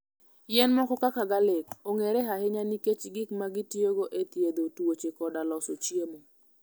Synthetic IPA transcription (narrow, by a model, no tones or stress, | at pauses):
jɛnmɔkɔkakaɡalekoŋeɾɛɦahɪɲaniket͡ʃɡɪkmaɡɪtjoɡoʔet̪jed̪otwot͡ʃekɔdalɔsot͡ʃjemo